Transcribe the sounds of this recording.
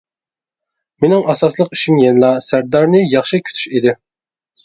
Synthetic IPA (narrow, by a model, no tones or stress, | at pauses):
menɪŋʔɑsɑslˠəqiʃimjenɨlˠɑsæɾd̪ɑɾnɨjɑχʃɨkʲʰy̥t̪ʰy̥ʃid̪ɪ